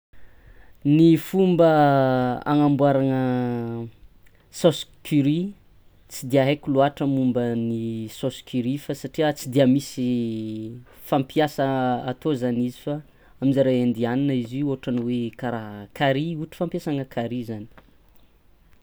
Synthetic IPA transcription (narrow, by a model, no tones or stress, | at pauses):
nifumbə | a̰ŋambwaɾaŋə | soskyɾi | t͡sid̪iəɦakuluaʈ͡ʂəmumbənisoskyɾifasaʈ͡ʂiət͡sid̪iəmisi | fampiasəat̪ozanizifa | aminzaɾaend̪ianinəizioɦʈ͡ʂaniwekaɾaɦkaɾiuʈ͡ʂi̥fampjasaŋəkʰaɾizani̥